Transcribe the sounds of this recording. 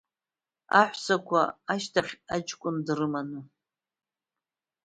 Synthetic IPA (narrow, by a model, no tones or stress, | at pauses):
a̰ħʷsakʷʰaaʃtʰaχʲat͡ʃʼkʷʼʊndrɨmanɨ